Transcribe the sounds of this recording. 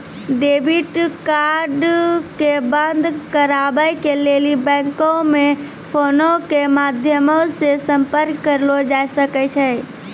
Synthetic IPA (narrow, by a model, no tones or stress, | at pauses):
ɖebʱiʈkaɾɖkebənd̪ʱkəɾabəkelelibɛ̃ŋkome | pʰonokemad̪ʱjəmosesəmpəɾkːəɾlod͡ʒajsəkɛt͡ʃʰɛ